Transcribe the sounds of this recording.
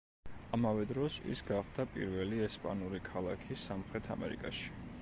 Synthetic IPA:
amavɛd̪ɾɔsḭsɡaχd̪apʼḭɾvɛliɛspʼa̰nuɾikʰalˠakʰisamχɾɛt̪ʰa̰mɛ̰ɾikʼa̰ʃi̥

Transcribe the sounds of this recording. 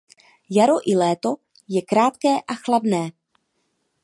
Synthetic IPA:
jaɾo̞ʔɪlɛːt̪o̞ | jɛkɾaːt̪kɛːʔaxladnɛː

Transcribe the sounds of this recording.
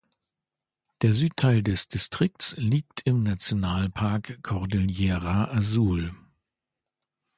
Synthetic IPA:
d̥eːɐzyːttʰaɪldɛsd̥istʁ̥ɪk̚tsliːk̚tʰɪmnat͡sjonaːlpʰaɐkʰːɔʁdɪljɛːʁaʔazuːl

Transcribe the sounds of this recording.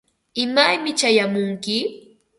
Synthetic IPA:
ɪmajmɪt͡ʃajamʊŋkɪ

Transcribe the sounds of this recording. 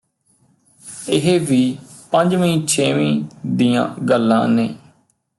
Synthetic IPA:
ɪɦeʋiːpəɲd͡ʒməĩːt͡ʃʰeːʋĩːd̪iːã̰ːɡəlːã̰ːneː

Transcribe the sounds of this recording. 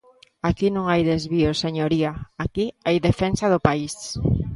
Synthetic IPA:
akinõŋajðezβiʊseɲoɾiaakiajðefensaðʊpais

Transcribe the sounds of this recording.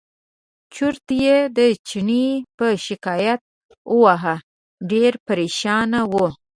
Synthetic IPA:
t͡ʃuɾt̪jed̪ət͡ʃiɳipəʃɪkɑjat̪̚ | əwaɦa | ɖeɾpaɾeʃɑnawo

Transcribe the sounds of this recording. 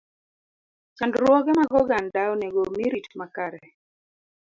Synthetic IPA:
t͡ʃandɾwɔɡɛmaɡɔɡandaoneɡomiɾitmakaɾɛ

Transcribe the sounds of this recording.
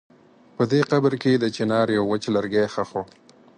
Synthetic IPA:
pəd̪eqabɾked̪ət͡ʃɪnɑɾjawːət͡ʃlaɾɡexaxo

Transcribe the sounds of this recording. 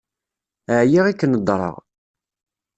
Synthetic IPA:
əʕjiʁikːənəd̪ˤɾˤə̰ʁ

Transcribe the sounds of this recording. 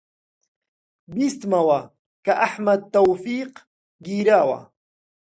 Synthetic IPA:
bist̪mawa | kaʔaħmad̪̚t̪ːawfiːq | ɡiːɾaːwa̰

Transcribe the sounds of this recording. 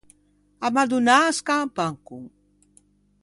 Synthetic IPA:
amad̪unaskapaŋkuŋ

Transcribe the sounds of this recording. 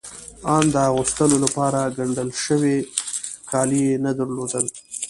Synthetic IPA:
ɑnd̪əaɣust̪əlolapɑɾaɡaɳɖəlʃəwekʰɑlijenad̪əɾlod̪əl

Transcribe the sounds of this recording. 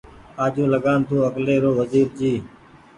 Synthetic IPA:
aːd͡ʒũːləɠaːnt̪ʰũːəkleːɾoːʋəziːɾd͡ʒiː

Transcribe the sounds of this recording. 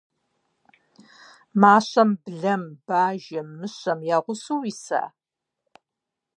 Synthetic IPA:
maːɕɐmbɮɐmbaːʒɐmːɨɕɐmjaːʁʷʊsuwisa̰ː

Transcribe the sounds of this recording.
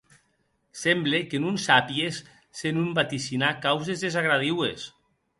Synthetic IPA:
sɛmblekenunsapiesː | enumbat̪isinakawzezðezaɣɾaðiwḛs

